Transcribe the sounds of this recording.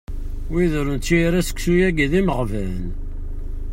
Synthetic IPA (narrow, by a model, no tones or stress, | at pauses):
wiðɾənt̪ːiɾæsə̥kʷsujæɡðiməʁvæn